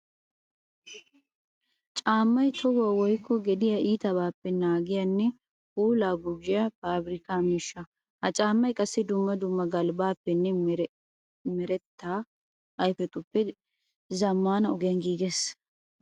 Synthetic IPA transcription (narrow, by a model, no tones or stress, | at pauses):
t͡ʃʼaːmːɐjt̪ʰɔwaːwɔjkːɔɡɛd̪ɪjaiːt̪ɐbaːpːɛnaːɡɪjɐnːɛ | uːlaːɡʊɡɪjɐfaːbɪɾɪkaːmiːʃːɐ | hɐt͡ʃʼaːmːɐjkʼɐsːɛd̪ʊmːɐd̪ʊmːɐɡɐlbaːpːɛnːɛ | mɛɾɛt̪ːaː | ɐjfɛt̪ʼʊpːɛ | zɐmːaːnɐɔɡɛjɐnɡiːɡes